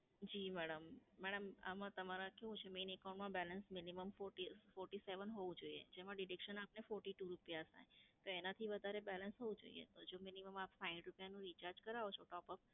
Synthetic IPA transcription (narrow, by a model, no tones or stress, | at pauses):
d͡ʒimɛɽəmːɛɽəma̰mãt̪əmaɾãkeʋũt͡ʃʰemenɛkaw̃ɳʈmãbɛlənsminiməmfoʈifɔɾʈiseʋənɦoʋũd͡ʒoiḛd͡ʒemãɖɪɖikʃənapnefɔɾʈiʈuɾupijast̪ʰa̰jt̪oenat̪ʰiʋəd̪ʱaɾebɛlənsɦoʋũd͡ʒo̰ḭḛt̪od͡ʒominiməmapfaɪ̃ɖɾupjanũɾit͡ʃaɾd͡ʒkəɾaot͡ʃʰoʈɔpəp̚